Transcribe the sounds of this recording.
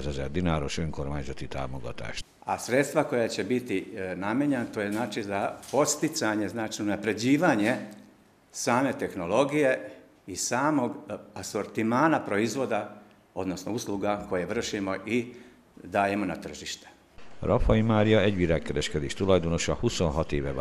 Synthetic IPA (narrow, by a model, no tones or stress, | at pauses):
zɛzɛ̰ɾd̪inaːɾoʃø̞ŋkoɾmaːɲzɔt̪it̪a̰ːmoɡɔ̰t̪a̰ːʃt | a̰sɾe̞t̪st̪ʋako̞jat͡ɕebit̪inameɲenat̪oːjeznaːt͡ʃizapo̞t̪st̪it̪saɲe̞znaːt͡ʃiunapɾe̞d͡ʑiːʋaːɲe | saːme̞t̪e̞xno̞lo̞ɡije̞ | isaːmo̞ɡaso̞ɾt̪imaːnapɾo̞izʋo̞d̪a | o̞̰d̪nosnousluɡako̞jeʋr̩ʃimo̞ʔi | d̪aːje̞mo̞nat̪r̩ʒiʃt̪e̥ | ɾʔɒfɒimaːɾijɒɛɟʋiɾaːkːɛɾɛʃkɛd̪eːʃt̪ulɒjd̪o̞no̞ʃɒhusonɦɒt̪eːʋɛ